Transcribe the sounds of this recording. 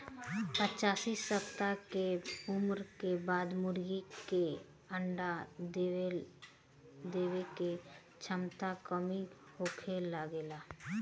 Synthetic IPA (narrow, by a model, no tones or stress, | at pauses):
pət͡ʃaːsisəpt̪akeʊmɾkebaːd̪mʊɾɡike | əɳɖa | d̪eːweke | t͡ʃʰəmt̪akəmi | hoːkʰelaɡeːlaː